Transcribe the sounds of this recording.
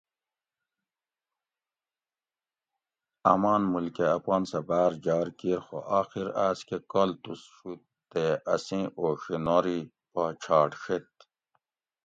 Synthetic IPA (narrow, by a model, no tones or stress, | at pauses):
ɐ̰maːnmulkeafwaːnsabaːɾd͡ʑaːɾkiɾxo̰ʔaːxiɾaːskekolt̪usʂu | t̪eɐsĩːʔoɕinoɾi | pat͡ɕʰɑːʈʂet̪